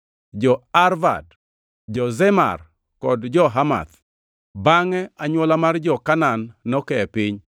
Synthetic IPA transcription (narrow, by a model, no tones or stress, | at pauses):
d͡ʒɔarva̰d | d͡ʒɔzɛma̰r | kɔdd͡ʒɔɦama̰t̪ | baŋɛaɲwɔlamard͡ʒɔkananːɔkɛɛpɪɲ